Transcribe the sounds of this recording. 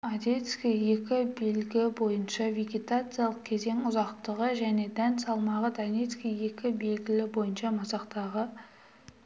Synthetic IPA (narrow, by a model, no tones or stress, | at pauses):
ɑd̪ʲe̞t̪skʲije̞kʲɪbe̞lɡʲbo̞jənʃɑvʲe̞ɡʲe̞t̪at̪sɨjɑlˠəq̚kʲʰe̞ze̞ŋʊzɑqt̪əʁəʒæne̞d̪ænt̪sɑlˠmɑʁəd̪anʲe̞t̪skʲije̞kʲɪbe̞lɡʲɪlɪbo̞jənʃɑmɑsɑqt̪ɑʁə